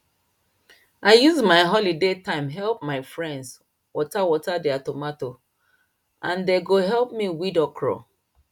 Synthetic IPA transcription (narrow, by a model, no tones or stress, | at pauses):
aɪjuzmaɪɦɔlidetãɪ̃mɦɛlp̚maɪfɹɛ̃nds | wɔtawɔtadɛatomato | ʔãndeɡoɦɛlp̚miwidɔkʰɹɔ̰